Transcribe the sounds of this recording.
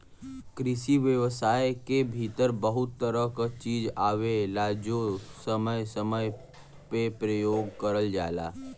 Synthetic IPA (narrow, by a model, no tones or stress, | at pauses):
kɾɪʃiʋjəʋsaːjkebʱiːt̪əɾbəɦʊt̪ːəɾəkət͡ʃiːd͡ʒaːwelaːd͡ʒosəməjsəməj | pepɾəjoːɡkəɾəld͡ʒa̰ːla̰ː